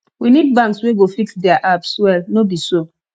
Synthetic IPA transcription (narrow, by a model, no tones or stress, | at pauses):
winid̚bãŋksweɡofiksdɛaʔapswɛlnobiso